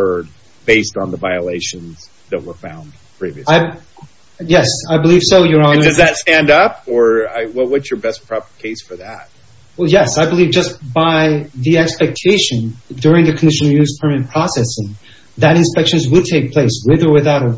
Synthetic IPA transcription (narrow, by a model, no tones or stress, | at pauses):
ɜ˞d̚ | b̥eɪstn̩ðəvaɪəleɪʃɨ̃nz̥ | ðɨt̚wə˞fã̰ʊ̃n | pʰɹ̥ivḭaɪ | jɛsaɪbəliv̥soʊjə˞ɑ̃ndʌzðɨtstæ̃ndʌpə˞aɪwʌwʌtsjə˞bɛs̚pʰɹ̥ɑpə˞kʰeɪsfə˞ðæt̚ | wɛlˠjɛsaɪbəlivd͡ʒʌsb̥aɪðiɛkspɛk̚tʰeɪʃɨ̃ndʊɹɪ̃ŋðɨkʰn̩dɪʃɨn̩ˠjʉz̥pʰə˞mɨɨpʰɹ̥ɔsɛsɪ̃ŋ | ðɨɾɨ̃nspɛkʃɨ̃nzwəd̚tʰeɪk̚pʰl̥eɪswɪðə˞wɨθaʊɾə